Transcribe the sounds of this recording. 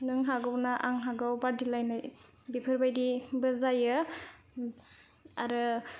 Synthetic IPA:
nɯŋɦaɡawnaʔaŋɦaɡawbadilajnaj | bipʰɯɾbajdibɯzajɯ | aɾɯ

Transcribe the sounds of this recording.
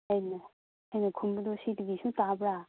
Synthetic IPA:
ajnɐ | hajnɐkʰumbɐdosidiɡisutabɾa

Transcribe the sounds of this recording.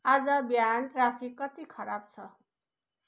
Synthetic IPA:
ad͡zʌbjanʈrapʰikːʌt̪ikʰʌɾab̚t͡sʰʌ

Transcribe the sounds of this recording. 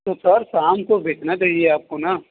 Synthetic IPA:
t̪osɐɾsaːmkobʱeːt͡ʃnat͡ʃaːɦieaːp̚kona

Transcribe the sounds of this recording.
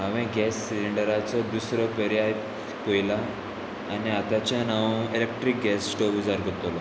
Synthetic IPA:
ɦaʋẽɡɛsːiliɳɖəɾat͡sɔd̪usɾəpəɾijaj̪ | pojlaː | niat̪at͡ɕjanaʋelek̚ʈɾik̚ɡɛssʈobud͡zaɾɡʱət̪lɔ

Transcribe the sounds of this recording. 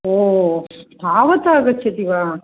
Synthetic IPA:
oːst̪ʰaːʋɐt̪aːɡɐt͡ʃʰːɐt̪iʋaː

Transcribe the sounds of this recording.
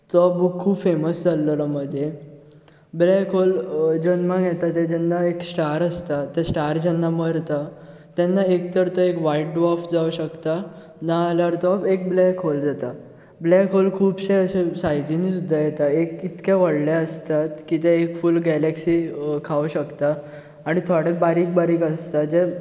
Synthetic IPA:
t̪ɔbukʰːubfeməsd͡zalːəlaməd̪ʱje | blɛkʰold͡ʑənmãɡjɛt̪at̪ɛd͡ʑɛnːaeksʈaɾəst̪at̪ːɛsʈaɾd͡ʑɛnːaməɾt̪a | t̪ɛnːaekt̪əɾt̪əekʋaiʈ̚ɖʋɔfd͡zauɕəkt̪a | naːljaɾt̪ɔpek̚blɛkʰɦold͡zat̪a | blɛkɦolkʰuːbɕẽəsesajd͡ʑinisud̪ʱːajɛt̪aekit̪keʋəɽlaəst̪at̪kit̪ɛekfulɡɛlɛksikʰaʋuɕəkt̪aː | ɽ̃it̪ʰaɽebaɾiːk̚baɾiːkəst̪ad͡ze

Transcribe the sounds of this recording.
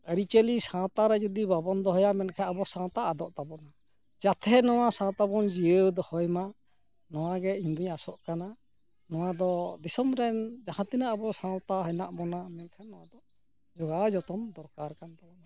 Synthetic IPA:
əɾit͡ʃəlisãt̪aɾɛd͡ʒɔd̪ibabɔnd̪ɔɦɔjamɛnkʰɛabɔsãwt̪aːd̪ɔʔt̪abɔna | d͡ʒat̪ʰɛnɔw̃asãwt̪abɔnd͡ʒiəd̪ɔhɔjma | nɔwaɡɛind̪uɲasɔʔkana | nɔw̃ad̪ɔd̪isɔmɾɛnd͡ʒahãt̪inaʔːbɔsãwt̪aɦɔna̰ʔbɔnamɛnkʰɛnd̪ɔʔ | d͡ʒɔɡad͡ʒɔt̪ɔmd̪ɔɾkaɾkant̪abɔna

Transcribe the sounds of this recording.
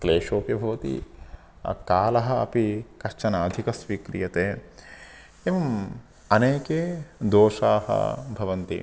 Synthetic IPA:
kleːʃoːkjɐbʱɐʋɐt̪ḭ | kaːlɐɦɐɐ̰pikɐʃt͡ʃɐnɐːd̪ʱikɐsʋikɾijɐt̪eː | eːʋɐm | ɐneːkeːd̪oːʃa̰ːhɐ̰bʱɐʋɐnt̪ḭ

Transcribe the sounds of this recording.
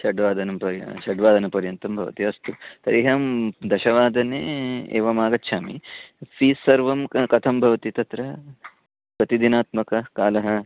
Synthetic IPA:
ʃɐɖʋaːd̪ʱɐnɐmpɐɾjɐ̰ʃɐɖʋaːd̪ʱɐnɐpɐɾjɐnt̪ɐmbʱɐʋɐ̰t̪iɐst̪ut̪ɐɾiɦɐmd̪ɐʃɐʋaːd̪ɐneḛːʋɐmaːɡɐtːʃʰaːmipʰiːsːɐɾʋɐmkɐt̪ʰɐmbʱɐʋɐt̪it̪ɐt̪ɾɐ | pɐt̪id̪inaːt̪mɐkɐkaːlɐɦɐ

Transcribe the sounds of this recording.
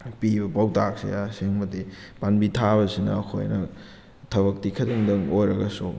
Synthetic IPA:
pibɐpawtak̚sḛjaseŋmɐti | panbitʰaβɐsinɐ̰ːkʰo̰jnɐ | tʰɐβɐk̚tikʰɐdiŋdɐŋojɾɐɡɐsṵ

